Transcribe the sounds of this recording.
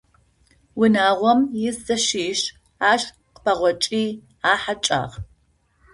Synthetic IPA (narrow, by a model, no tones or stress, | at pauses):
wʊnaːʁʷɔmjɪzzɐʃiːɕ | aːʃ | qpʰɐʁʷɔt͡ʃʼiː | aːħat͡ʃʼa̰ːʁ